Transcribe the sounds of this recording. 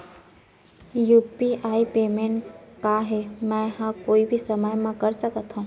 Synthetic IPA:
juːpiʔaːipeːmenkaɦemɛ̃hãkoːibʱisəməjmãkəɾsəkət̪ɦũ

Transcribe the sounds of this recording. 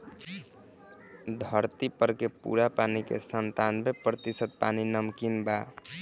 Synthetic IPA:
d̪ʱəɾt̪ipəɾkepṵɾapanikḛsənt̪anmepɾət̪isət̪̚paninəmkinba

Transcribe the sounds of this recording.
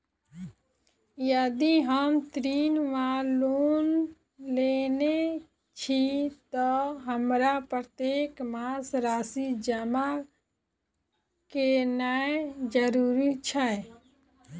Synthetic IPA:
jəd̪iɦəmt̪ɾiːnʋaloːn | lene | t͡ʃʰit̪ɔɦəmɾapɾət̪jeːkmasɾaːsid͡ʒəma | kenaed͡ʒəɾuːɾit͡ʃʰɛ

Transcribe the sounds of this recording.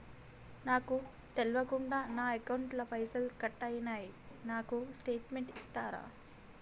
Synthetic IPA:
naːku | t̪elʋɐkuɳɖaːnaːɐkɐwɳʈlɐpɐjsɐlkɐʈːɐjɐnaːjinaːkusʈe̞ːʈmeɳʈist̪aːɾa̰ː

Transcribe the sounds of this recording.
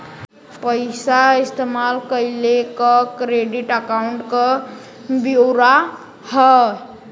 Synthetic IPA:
pəɪsaist̪emalkəjlekəkɾeɖiʈəkaʊɳʈkə | bioɾa | hə

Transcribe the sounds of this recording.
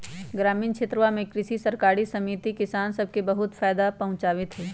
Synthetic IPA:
ɡɾaːmiːnkʃʰɪt̪ɾəʋamẽkɾɪʃisɐɾkaːɾisɐmiːt̪ikɪsaːnsɐb̚kebɐɦʊt̪faːjd̪apɐɦʊ̃t͡ʃaːʋɪt̪ɦɛː

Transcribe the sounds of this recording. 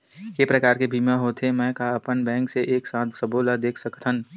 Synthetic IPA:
kepɾəkaːɾkebʱiːmaɦoːt̪ʰemɛ̃ːkaəpənbɛ̃ːŋkseʔeːksãːt̪səboːlad̪eːkʰsəkt̪ʰən

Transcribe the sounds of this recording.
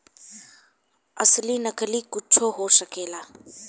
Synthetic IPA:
ɐslinɐklikʊt͡ʃʰoɦoːsɐkeːlaː

